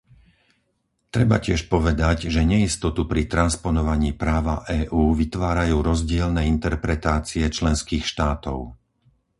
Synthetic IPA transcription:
t̪ɾɛba̰cɪɛʃpɔʋɛd̪aɟʒɛɲɛist̪ɔt̪upɾit̪ɾanspɔnɔʋaɲiːpɾaːʋaʔɛːʔuːʋit̪ʋaːɾajuːɾɔzɟɪɛlnɛːint̪ɛɾpɾɛt̪aːt͡siɛt͡ʃlɛnskiːxʃt̪aːt̪ɔʊ

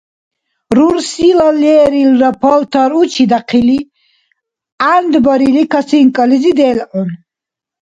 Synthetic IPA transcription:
ɾuɾsilɔlɛːɾilɾɔpʰɔlt̪ʰɔɾut͡ʃʰid̪aqʰili | and̪bɔɾilikʰasiŋkʼəlizid̪ɛlɔn

